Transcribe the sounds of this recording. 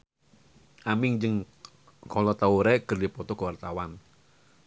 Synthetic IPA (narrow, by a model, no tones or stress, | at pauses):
ʔamɪŋd͡ʒɨŋ | kʰɔlɔt̪auɾɛkərdipɔt̪ɔkəwart̪awan